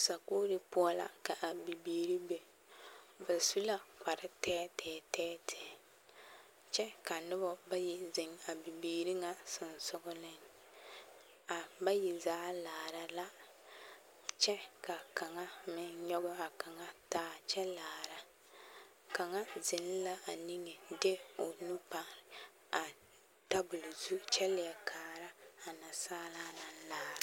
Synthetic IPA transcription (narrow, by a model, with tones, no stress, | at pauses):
sa˨ko˦dɨ˨pʊ˦a˦la̰˨ka˨ʔa˨bi˨biː˨ɾi˦be˨ | ba˨su˦la˨k͡pa˨ɾɨ˦tɛː˦tɛː˨˦tɛː˦tʰɪ˨ | t͡ʃɛ˦ka˨nʊ˦bɔ˦ba˦ji˨zɪ˨ŋa˨bi˨biː˨ɾi˦ŋa˨sɪ˨nsʊ˦ɡʊ˦lɪ˦n | a˨ba˦ji˨zaː˦laː˨ɾa˨la˦ | t͡ʃɛ˦ka˨ka˨ŋa˦mɪ˨nɲɔ˦ɡʊ˦a˨ka˨ŋa˦taː˦t͡ʃɛ˦laː˨ɾa˨ | ka˨ŋa˦zɪ˨n˦la˦a˨ni˦ŋɛ˨de˦o˨nu˦pa˨ɾ | a˨ | ta˦bʊ˨lzu˦t͡ʃɛ˦lɪ˨ɛ˨kʰaː˨ɾa˦a˨na˨saː˦la˦na˨˦laː˦ɾa˨